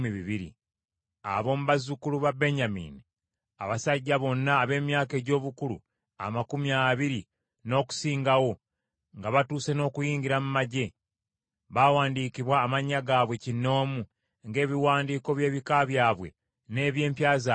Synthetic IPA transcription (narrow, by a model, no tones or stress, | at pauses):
miβiβiɾḭ | a̰βo̞ːmuβazukuluβabe̞ɲamḭːni | a̰βasaɟːaβo̞nːaːβe̞ːmjaːke̞ːɟo̞ːβukulṵ | a̰makumiaβiɾi | no̞ːku̥siːŋɡawo̞ | ŋɡaβatuːse̞no̞ːkujiːɲɡɟiɾamumaɟe̞ | βawaːndiːkiβwaːmaɲːaɡaːβwe̞cinːo̞ːmu | ŋɡe̞ːβiwaːndiːko̞βje̞ːβikaβjaːβwe̞̰ | ne̞ːβje̞ːmpjaːz